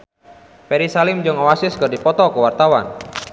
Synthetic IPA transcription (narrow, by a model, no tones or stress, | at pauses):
pɛɾisalɪmd͡ʒɔŋawasɪskərdipɔt̪ɔkəwart̪awa̰n